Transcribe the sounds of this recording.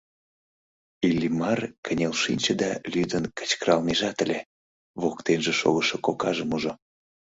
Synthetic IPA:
ilʲːimɑrkʰənʲelʃinʲt͡ɕəd̪ɑlyd̪ənkə̥t͡ɕkəɾɑlmeʒɑt̪ə̆lʲe | βokt̪enʒeʃo̰ɣəʃokokɑʒəmuʒo

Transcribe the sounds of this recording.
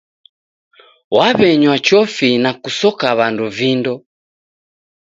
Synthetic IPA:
waβɛɲwat͡ʃɔfinakusɔkaβanduvindɔ

